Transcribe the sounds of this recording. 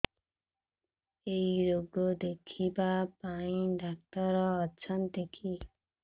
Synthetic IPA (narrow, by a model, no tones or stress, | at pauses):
ejɾoɡɔd̪ekʰibapaĩɖak̚t̪ɔɾɔːt͡ʃʰɔnt̪ekʰi